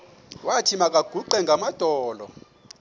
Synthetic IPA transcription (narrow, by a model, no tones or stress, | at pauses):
watʰimak̬ʼaɡ̥ʱuǃɛŋɡʱamad̥ʱɔːlɔ̰